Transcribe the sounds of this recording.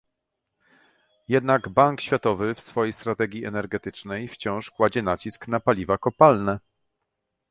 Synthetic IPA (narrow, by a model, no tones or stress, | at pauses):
jɛd̪naɡbaŋkɕfʲjat̪ɔvɘfsfɔjejst̪ɾat̪ɛɡʲjiɛnɛɾɡɛt̪ɘt͡ʂnɛjft͡ɕɔ̃w̃ʂkwad͡ʑɛnat͡ɕiskn̪apalʲivakɔpalnɛ